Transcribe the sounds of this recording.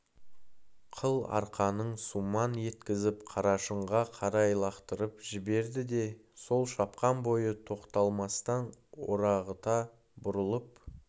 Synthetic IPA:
qʰəlˠɑ̰ɾqɑnəɴsumɑnje̞t̪kʲɪzɪpqʰɑɾɑʃəɴʁɑqʰɑɾɑjlˠɑqt̪əɾəpʒɪbe̞ɾd̪ɪd̪e̞so̞lˠʃɑpqɑnbo̞jət̪ʰo̞qt̪ɑlˠmɑst̪ɑnwo̰ɾɑʁət̪ɑ | bʊɾəlˠəp̚

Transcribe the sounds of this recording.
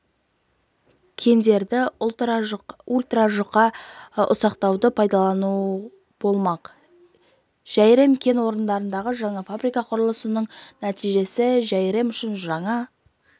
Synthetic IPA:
kʲʰe̞nd̪e̞ɾd̪ɪ | ulʲt̪raʒʊqːɑʊ̰sɑqt̪ɑwd̪əpʰɑjd̪ɑlˠɑnu | b̥o̞lˠmɑq | ʒ̥æjɾe̞mkʲʰe̞nwo̞ɾənd̪ɑɾənd̪ɑʁəʒɑɴɑfabɾijkɑqʰʊɾəlˠəsənəɴnæt̪ijʒe̞sɪʒæjɾe̞mʏʃɪnʒɑɴɑ

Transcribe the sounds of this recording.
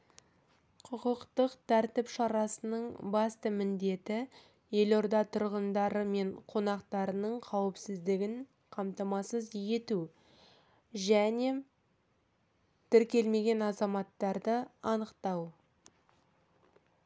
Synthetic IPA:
qʰʊqəqt̪əqt̪ʰæɾt̪ɪpʃɑɾɑsənəɴbɑst̪əmɪnd̪e̞t̪ɪ | je̞lo̞ɾd̪ɑt̪ʰʊɾʁənd̪ɑɾəme̞ɴqʰo̞nɑqt̪ɑɾənəɴqʰɑwəpsɪzd̪ɪɡʲɪɴ | qʰɑmt̪ɑmɑsəzje̞t̪u | ʒæne̞ | t̪ʰɪɾkʲe̞lme̞ɡʲe̞nɑzɑmɑt̪ːɑɾd̪əɑnəqt̪ɑw

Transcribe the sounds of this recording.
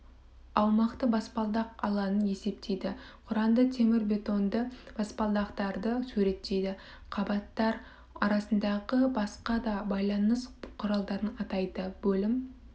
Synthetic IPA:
ɑwmɑqt̪əbɑspɑlˠd̪ɑqɑ̰lˠɑnəne̞se̞p̚t̪ʰejd̪ɪqʰʊɾɑnd̪ət̪ʰe̞mɪɾbe̞t̪o̞nd̪əb̥ɑspɑlˠd̪ɑqt̪ɑɾd̪əsʉɾe̞t̪ːe̞jd̪ɪ | qʰɑbɑt̪ːɑɾ | ɑɾɑsənd̪ɑʁəbɑsqɑd̪ɑbɑjlˠɑnəsqʰʊɾɑlˠd̪ɑɾənɑt̪ɑjd̪əbɵlɪm

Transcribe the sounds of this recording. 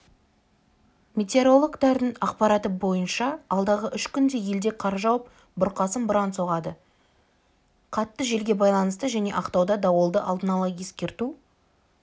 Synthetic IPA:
mʲe̞t̪ʲe̞ɾo̞lˠoɡt̪ɑɾd̪əɴɑqpɑɾɑt̪əbo̞jənʃɑːlˠd̪ɑʁəʔʏʃkʲʏnd̪e̞je̞ld̪e̞qʰɑɾʒɑwəp̚ | bʊɾqɑsəmbʊɾɑnso̞ʁɑd̪ə | qʰɑt̪ːəʒe̞lɡʲe̞bɑjlˠɑnəst̪əʒæne̞ʔɑqt̪ɑwd̪ɑd̪ɑwəlˠd̪əʔɑld̪ənɑlˠɑje̞skʲe̞ɾt̪u

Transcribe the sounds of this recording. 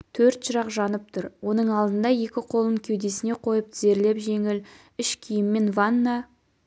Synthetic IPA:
t̪ʰɵɾt̪ʒəɾɑqʒɑnəp̚t̪ʰʊɾwo̞n̪əɴɑlˠd̪ənd̪ɑje̞kʲɪqʰo̞lˠəŋkʲʰe̞wd̪e̞sɪne̞qʰo̞jəpze̞ɾle̞pʒe̞ŋɪl | ɪʃkʲʰijɪmːe̞nvanːɑ

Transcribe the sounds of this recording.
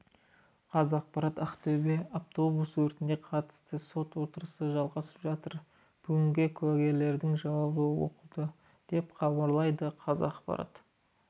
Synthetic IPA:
qʰɑzɑq̚pɑɾɑt̪ɑqt̪ʰɵbe̞aft̪o̞buswɵɾt̪ɪnd̪e̞qʰɑt̪ə̥st̪əso̞t̪wo̞t̪əɾəsəʒɑlˠʁɑsə̥pʒɑt̪əɾ | b̥ʏɡʲɪŋɡʲɪkʲʰʉwæɡʲe̞ɾle̞ɾd̪ɪŋʒɑwɑʁəwo̰qəlˠd̪ə | d̪̥e̞pχɑbɑɾlˠɑjd̪əqʰɑzɑqpɑ̰ɾɑ̰t̪

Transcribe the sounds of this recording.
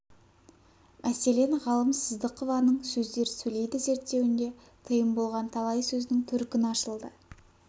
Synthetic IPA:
mʔæse̞le̞nʁɑlˠəmsəzd̪əqʰːəvɑnəɴsɵzd̪e̞ɾsɵle̞jd̪ɪze̞ɾt̪ːe̞wɪnd̪e̞ | t̪ʰəjəmbo̞lˠʁɑnt̪ʰɑlˠɑjsɵzɪnɪŋt̪ʰʏɾkʲɪnɑʃəlˠd̪ə

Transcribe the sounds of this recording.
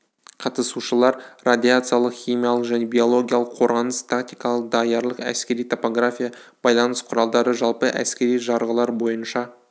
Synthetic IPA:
qʰɑt̪əsuʃəlˠɑɾrad̪ʲijat̪sɨjalˠəqχʲijmʲijalˠəqʒæne̞bio̞lˠo̞ɡʲijalˠəqʰo̞ɾʁɑnəst̪ʰakt̪ijkɑlˠəqd̪ɑjɑɾlˠəqæ̰skʲe̞ɾijt̪ʰo̞po̞ɡɾafʲijab̥ɑjlˠɑnəsqʰʊɾɑlˠd̪ɑɾəʒɑlˠpəʔæ̰skʲe̞ɾijʒɑɾʁəlˠɑɾbo̞jənʃɑ

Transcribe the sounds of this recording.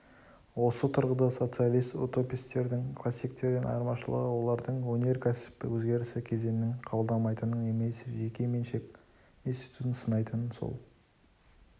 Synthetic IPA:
wo̞sət̪ʰʊɾʁəd̪ɑso̞t̪sɨijalʲˠijst̪ut̪o̞pʲijst̪e̞ɾd̪ɪŋkʰlˠasːijk̚t̪e̞ɾɪnʔɑ̰jəɾmɑʃəlˠə̰ʁəwo̞lˠɑɾd̪əɴwɵne̞ɾkʲʰæsɪ̥pɪ̰wɵzɡʲe̞ɾɪsɪkʲʰe̞ze̞nɪnɪŋqʰɑbəlˠd̪ɑmɑjt̪ənəɴe̞me̞sɪʒe̞kʲe̞me̞nʃe̞kʲ | inst̪i̥jt̪ʰut̪ənsənɑjt̪ənso̞̰lˠ

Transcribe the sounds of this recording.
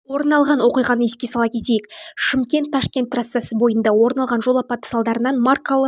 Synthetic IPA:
wo̞ɾənɑlˠʁɑnwo̞qijʁɑnəeskʲe̞sɑlˠɑkʲʰe̞t̪e̞jɪkʃɪmkʲe̞nt̪ʰːɑʃkʲe̞nt̪ːrasːasəbo̞jənd̪ɑwo̞ɾnɑlˠʁɑnʒo̞lˠɑpɑt̪ə̥sɑlˠd̪ɑɾənɑnmarkolˠə

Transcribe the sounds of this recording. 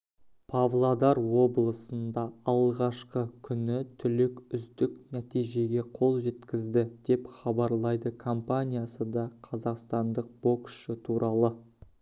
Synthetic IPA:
pʰavlˠad̪ɑɾwo̞blˠəsənd̪ɑɑlˠʁɑʃqəkʲʰʏnɪt̪ʰʏlɪkʲʏsd̪ɪknæt̪ijʒe̞ɡʲe̞qʰo̞lˠʒe̞t̪kʲɪzd̪ɪd̪̥e̞pχɑbɑɾlˠɑjd̪əkʰo̞mpanʲijasəd̪ɑqʰɑzɑqst̪ɑnd̪əq̚b̥o̞kʃɪt̪ʰuɾɑlˠə

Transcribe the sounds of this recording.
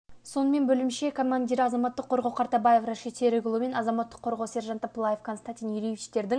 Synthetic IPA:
so̞nəme̞nbɵlɪmʃe̞kʰomand̪ʲiɾɑzɑmɑt̪ːəqʰːo̞ɾʁɑwqʰɑɾt̪ɑbaje̞fraʃet̪ʰeɾɪɡʲʊlˠəme̞nɑzɑmɑt̪ːə̥qʰːo̞ɾʁɑwse̞ɾʒɑnt̪aplˠaje̞fkʰo̞nst̪anʲt̪ʲinjʏɾʲejvʲit͡ʃt̪e̞ɾd̪ɪŋ

